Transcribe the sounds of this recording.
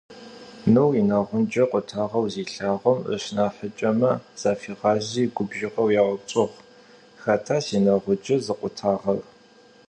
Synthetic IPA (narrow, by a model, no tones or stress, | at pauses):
nɨwinɐʁʷʊnd͡ʒɐqʷʼʊtʰaːʁɐwziːɬaːʁʷɐmə̰ɕnaːħət͡ʃʼɐmɐz̥aːfiːʁɑːʑiːɡʷʊbʒɪqɐwjaʁɐbt͡ʃʼɨʁʷ | xɐtʰaːsiːnɐʁʷʊd͡ʒɐzɨqʷʼʊtʰaːʁɐr